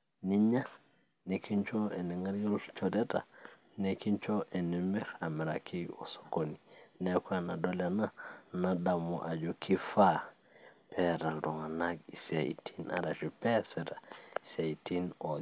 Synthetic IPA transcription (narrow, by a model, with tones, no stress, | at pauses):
ni˦ɲa˦ | ne˨kʰi˦ɲt͡ʃo˦ɛ˨ni˨ŋa˦ɾjo˦lt͡ʃɔ˨dɛ˦ta̰˨ | ne˨ki˦nt͡ʃo˦ʔɛ˨nɛ˨mi˦ɾa˨mɛ˨ɾa˨kʰi˦ɔ̰˨so̥˨ko˨ni˨nɛ˦ka˦˨na˨do˦la˨na˦na˨da˨mɔ̰˨ʔa˨d͡ʒo˦kʰi˦fa˦ | pʰɛ˦ɾa˨ldɔ˨ŋa˨naɡi˨se˨ḭ˨tʰina̰˨ɾa˨ʃipɛ˦sɛ˨ta˨i˨se˨i˨tʰi˦nɔ˨